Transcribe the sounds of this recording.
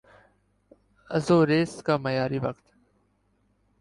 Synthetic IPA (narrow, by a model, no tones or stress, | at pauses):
ə̰zoːɾeːskaːməjaːɾiːʋɐkt̪